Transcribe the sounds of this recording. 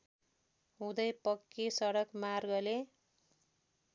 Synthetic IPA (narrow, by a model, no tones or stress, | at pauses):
ɦũd̪ʌjpʌkːisʌɽʌkmarɡʌle